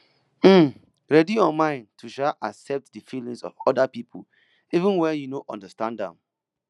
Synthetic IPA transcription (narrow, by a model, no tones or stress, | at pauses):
m̩ | ɹɛdiɔ̃nmãɪ̃ntʰuʃaʔaksɛp̚tdəfilĩŋsɔ̰vɔdapipʰṵ | ivũnwɛjunoʔɔ̰̃ndəstãndã̰m